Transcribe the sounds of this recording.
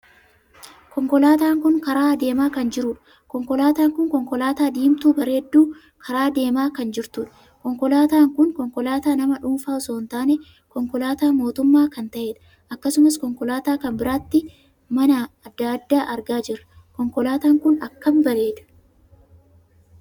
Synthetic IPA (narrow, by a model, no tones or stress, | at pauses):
kɔŋkɔlaːt̪aːŋkʊŋkɐɾaːd̪e̞ːmaːkɐnd͡ʒɪɾʊᶑɐ̥ | kɔŋkɔlaːt̪aːŋkʊŋkɔŋkɔlaːt̪aːd̪iːmt̪uːbɐɾe̞ːd̪ːuː | kʰɐɾaːd̪e̞ːmaːkɐnd͡ʒɪɾt̪ʊᶑɐ̥ | kɔŋkɔlaːt̪aːŋkʊŋkɔŋkɔlaːt̪aːnɐmɐᶑuːnfaːɔso̞ːnt̪aːne | kɔŋkɔlaːt̪aːmo̞ːt̪ʊmːaːkɐnt̪ɐʔe̞ːᶑɐ̥ | ʔɐkːɐsʊmɐskɔŋkɔlaːt̪aːkɐmbɪɾaːt̪ːɪ | mɐnɐːd̪ːad̪ːaːʔɐɾɡaːd͡ʒɪɾɐ | kɔŋkɔlaːt̪aːŋkʊnɐkːɐmbɐɾe̞ːᶑ̪ɐ̥